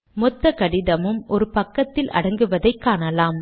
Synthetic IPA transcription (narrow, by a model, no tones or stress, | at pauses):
mɔt̪ːɐkɐɽɪðɐmɯmʔɔɾɯpɐkːɐt̪ːɪlʔɐ̰ɽɐŋɡɯʋɐðɐɪkːaːnɐlaːm